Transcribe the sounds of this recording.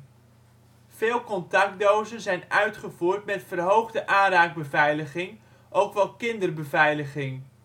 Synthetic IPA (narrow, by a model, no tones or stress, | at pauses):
v̥ɪːlˠkɔntɑk̚dowzənzɛjnœɥtχəvuːrtmɛtfərɦowχdəʔaːnraːɡ̚bəvɛjləχɪŋ | ʔowkʋɛlˠkɪndərbəvɛjləχɪŋ